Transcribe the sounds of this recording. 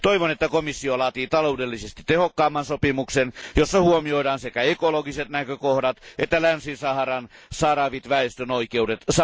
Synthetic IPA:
t̪oiʋonet̪ːækomisːiolɑːt̪iːt̪ɑloudelːisest̪i̥t̪ehokːɑːmːɑnsopimuksenjosːɑhuomioidɑːnsekæekoloɡiset̪nækøkohdɑt̪et̪ːælænsinsɑhɑrɑnsɑrɑʋit̪ʋæest̪ønoikeudet̪s

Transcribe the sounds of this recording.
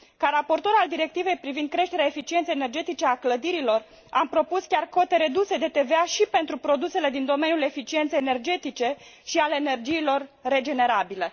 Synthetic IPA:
kaɾapo̞rt̪o̞ɾald̪iɾe̞k̚t̪ive̞jpɾivind̪̚kɾe̞ʃt̪eɾeaefit͡ʃie̞nt̪sejene̞rd͡ʒe̞t̪it͡ʃe̞akləd̪iɾilo̞r | ampɾo̞puskʲarko̞t̪e̞ɾe̞d̪use̞d̪e̞t̪e̞veaʃipe̞nt̪ɾupɾo̞d̪use̞le̞d̪ind̪o̞me̞njule̞fit͡ʃient̪sejene̞rd͡ʒe̞t̪it͡ʃe̞ʃialeːne̞rd͡ʒiːlo̞rːe̞d͡ʒe̞ne̞ɾabile̞

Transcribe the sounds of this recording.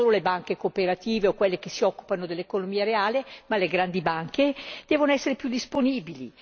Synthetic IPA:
oːlolebaŋkekopeɾat̪iːveokwelːekesːiɔkːu̥panod̪elːekonomiːaɾeaːlemaleɡɾand̪ibaŋked̪̥ɛːvonoɛsːeɾepjud̪ːisponiːbilḭ

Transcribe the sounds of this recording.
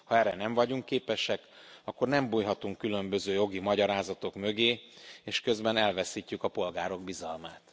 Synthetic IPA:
hɒɛːɾɛnɛɱvɒɟuŋkːeːpɛʃɛk | ɒkːo̞rnɛmbuːjɦɒt̪uŋkːylø̞mbø̞zøːjo̞ɡimɒɟɒɾaːzɒt̪o̞kmø̞ɡeːeːʃkø̞zbɛnɛlvɛsiːcːykɒpo̞lɡaːɾo̞ɡ̚bizɒlmaːt̪

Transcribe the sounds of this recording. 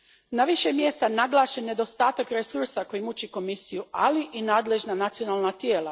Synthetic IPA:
naʋiʃemje̞ːst̪anaɡlˠaːʃene̞d̪o̞st̪aːt̪akɾesuɾsako̞jimut͡ɕiko̞misijualiʔinaːd̪le̞ʒnanat̪sijo̞naːlˠnat̪jeːla

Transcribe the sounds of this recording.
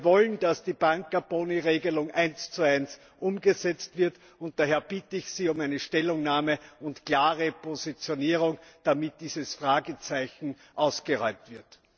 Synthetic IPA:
vɔlnd̥asd̥iːb̥aŋk̚ɡ̥aɐb̥oːniʁeːɡəlʊŋʔæɪnst͡suæɪns | ʔʊmɡəzɛt͡stv̥ɪɐt | ʊnt̚d̥aːɦɛːɐb̥ɪtəɪçsiːʊmæɪnəʃtɛlʊŋnaːməʊntkl̥aːʁəpʰozit͡sjoniːʁ̞ʊŋd̥amɪt̚d̥iːzəsfʁaːɡət͡sæɪçn̩ | ʔɑʊsɡ̥əʁɔʏmtv̥ɪɐt

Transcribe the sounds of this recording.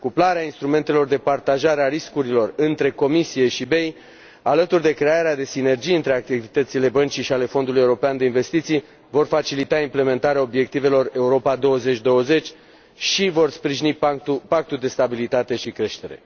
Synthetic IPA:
kuplaɾeainst̪ɾume̞nt̪e̞lo̞rd̪e̞part̪aʒaɾeaɾiskuɾilo̞rɨnt̪ɾe̞ko̞misije̞ʃibe̞j | alət̪urd̪e̞kɾe̞aɾead̪e̞sine̞rd͡ʒijɨnt̪ɾe̞ak̚t̪ivit̪ət̪sile̞bənt͡ʃiʃiale̞fo̞nd̪ulujeuɾopeand̪e̞inve̞st̪it̪sij | vo̞rfat͡ʃilit̪aimple̞me̞nt̪aɾeao̞bje̞k̚t̪ive̞lo̞re̞uɾo̞pad̪o̞wəze̞t͡ʃʲd̪o̞wəze̞t͡ʃʲ | ʃivo̞rspɾiʒinipak̚t̪ud̪e̞st̪abilit̪at̪e̞ʃikɾe̞ʃt̪e̞ɾe̞̰

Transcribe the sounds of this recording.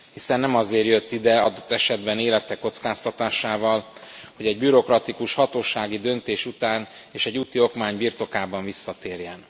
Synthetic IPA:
hisɛnːɛmɒzeːrjø̞t̪ːid̪ɛɒd̪o̞t̪ːɛʃɛd̪bɛneːlɛt̪ɛkːo̞t̪skaːst̪ɒt̪aːʃaːvɒlho̞ɟɛɟ̚byɾo̞krɒt̪ikuʃhɒt̪oːʃaːɡid̪ønt̪eːʃut̪aːn | eːʃɛɟːut̪io̞kmaːɲbiːrt̪o̞kaːbɒɱvisːɒt̪eːrjɛn

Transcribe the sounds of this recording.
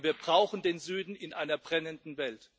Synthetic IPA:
viːɐbʁaʊxn̩deːnzyːdn̩ɪnʔaɪnɐbʁɛnəndn̩vɛlt

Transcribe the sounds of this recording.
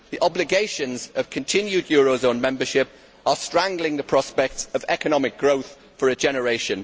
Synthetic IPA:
ðiʔɒblɪɡeɪʃə̃nzəv̥kʰə̃ntʰɪ̃njʉdjɔːɹoʊzõʊ̃nmɛ̃mbəʃɪp̚ | əstɹ̥ãŋɡlɪ̃ŋðəpʰɹ̥ɒspɛk̚təvɛkənɒmɪk̚ɡ̥ɹoʊθ | fəɹəd͡ʒɛnəɹeɪʃə̃n

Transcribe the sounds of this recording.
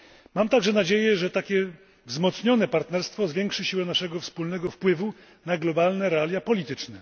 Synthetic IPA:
mamt̪aɡʐɛnad͡ʑejɛʐɛt̪akʲɛ | vzmɔt̪sɲɔnɛpaɾt̪nɛɾst̪fɔzvʲjɛŋkʂɘɕiwɛnaʂɛɡɔfspulnɛɡɔfpwɘvu | naɡlɔbalnɛɾɛalʲjapɔlʲit̪ɘt͡ʂnɛ

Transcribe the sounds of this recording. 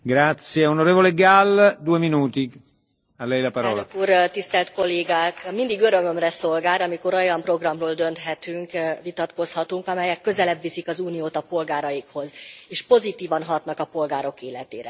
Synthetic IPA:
ɡɾat̪sjeonoɾeːvoleɡald̪uːeminuːt̪i | alːɛjlapaɾɔːlnlakuːrt̪ist̪ɛlt̪ko̞lːeːɡaːkmind̪iɡøɾø̞mømrɛso̞lɡaːɾɒmiko̞ɾojɒmpro̞ɡrɒmroːld̪ø̞nt̪ɦɛt̪yŋkvit̪ɒt̪ko̞shɒt̪uŋkɒmɛjɛkːø̞zɛlɛbʋisikɒzuːnijoːt̪ɒpo̞lɡaːɾɒjikho̞zeːʃpo̞zit̪iːvɒnɦɒt̪nɒkɒpo̞lɡaːɾo̞keːlɛt̪ḛːɾɛ

